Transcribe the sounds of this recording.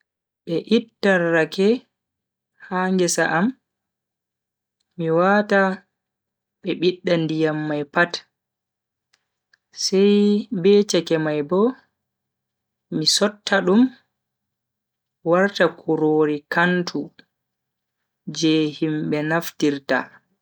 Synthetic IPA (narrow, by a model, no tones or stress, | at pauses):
ɓɛʔitːarːakɛ | haːŋɡɛsa̰ʔam | iwata | ɓɛɓiɗːandijamːajpat | sɛjbɛːt͡ʃɛkɛmajbɔ | isɔtːaɗum | waɾtakʰuɾoːɾikantʰu | d͡ʒɛhimɓɛnaftiɾta̰